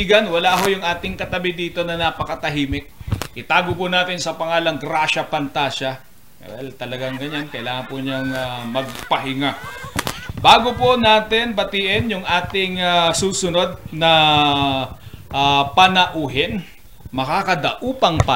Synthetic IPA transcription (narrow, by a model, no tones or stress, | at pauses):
iɡɐnwɐlaːɦojʊŋʔaːt̪ɪŋkɐt̪ɐbɪd̪iːt̪o̞nɐnapɐkɐt̪ɐɦiːmɪk̚ʔɪt̪aːɡʊpʊnaːt̪ɪnsɐpɐŋaːlɐŋɡɾaːʃɐpɐnt̪aːʃɐ | ɐ̰ɛlt̪ɐlɐɡaŋɡɐɲankɐʔɪlaːŋɐnpʊɲɐŋɐmɐɡ̚pɐɦɪŋa | baːɡoponaːt̪ɪnbɐt̪iʔɪnjʊŋʔaːt̪ɪŋɐsuːsʊno̞d̪̚nɐ | ʔapɐnɐʔuːɦɪn | mɐkaːkɐd̪ɐ̰ʔuːpɐŋpa